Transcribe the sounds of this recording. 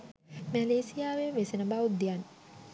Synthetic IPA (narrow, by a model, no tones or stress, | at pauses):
mæleːsijaːʋeʋesenəbaud̪ːijan